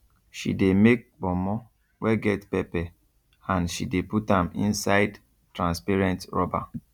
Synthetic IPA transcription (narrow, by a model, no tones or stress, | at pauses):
ʃḭdemek̚bɔmɔ | wɛɡɛtpɛpɛ | ãnʃideputãmḭ̃nsaɪd | tɾãnspaɹɛ̃ntɹɔba̰